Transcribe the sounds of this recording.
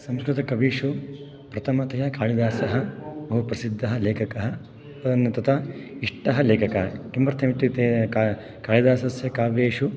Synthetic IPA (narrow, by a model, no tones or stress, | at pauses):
sɐmskɾut̪ɐkɐʋiːʂu | pɾɐt̪ʰɐmɐt̪ɐjɐkaːɭid̪aːsɐɦɐ̆bɐɦupɾɐsid̪ʱːɐɦɐleːkʰɐkɐɦɐ | ɐɐnːɐt̪ɐt̪ʰɐiʂʈɐɦɐleːkʰɐkɐkimbɐɾt̪ʰːɐmit̪ːit̪e | kaːɭid̪aːsɐsjɐkaːʋeːʂu